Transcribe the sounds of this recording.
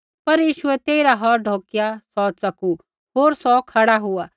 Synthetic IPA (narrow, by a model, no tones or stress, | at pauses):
pɐɾjiːʃʊɛt̪eːiɾaɦɔɾɖʱoːkjasɔt͡sɐku | ɦoːɾsɔkʰɐɽaɦʊaː